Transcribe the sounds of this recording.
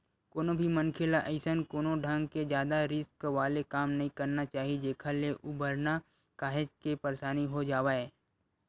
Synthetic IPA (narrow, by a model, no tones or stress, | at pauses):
koːnobʱimɐnkʰelaʔəɪsənkoːnoɖʱãŋɡked͡ʒjaːd̪aɾɪskʋaːlekaːmnɐɦĩkɐɾnat͡ʃaːɦid͡ʒeːkʰaleʔʊbəɾna | kaːɦɪd͡ʒkepəɾsaːniɦod͡ʒaːʋaːeː